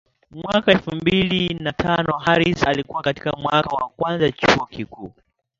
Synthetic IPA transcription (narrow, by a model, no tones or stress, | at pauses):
mwakaɛlfumbilinatʰanɔɦaɾisalikuwakati̥kamwakawa̰kwanzat͡ʃuɔkikuː